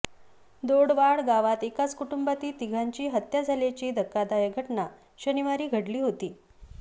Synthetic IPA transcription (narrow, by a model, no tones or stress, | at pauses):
d̪oɽʋaɭɡaʋat̪ekat͡skuʈumbat̪iːt̪iɡʱaɲt͡ɕiːɦət̪jad͡zʱaljat͡ɕiːd̪ʱəkːad̪ajəɡʱəʈna | ɕəniʋaɾiːɡʱəɽliːɦot̪iː